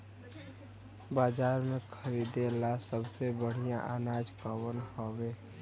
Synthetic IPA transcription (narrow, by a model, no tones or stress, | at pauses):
bad͡ʒaɾmekʰəɾid̪elasəbsebəɽ̤ijãʔanad͡ʒkəwənhobe